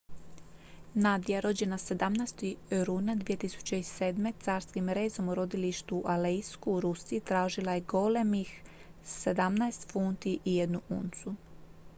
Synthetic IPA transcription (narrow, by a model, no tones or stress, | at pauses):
nad̪ijaɾo̞d͡ʑe̞nase̞d̪amnajst̪iɾuːnad̪ʋijet̪isu̥t͡ɕeise̞ːd̪me̞t̪saːɾskimɾe̞ːzo̞muɾo̞d̪iliʃt̪uʔalejskuːɾusiːt̪ɾaːʒilˠajeɡo̞le̞mixsed̪amnaest̪funt̪iʔije̞d̪nuṵːnt̪su